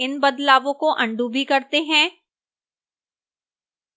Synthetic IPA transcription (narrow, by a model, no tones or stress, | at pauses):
ɪnbɐd̪laːʋõkoʔɐ̃ɳɖubʱikɐɾt̪eɦɛ̃ː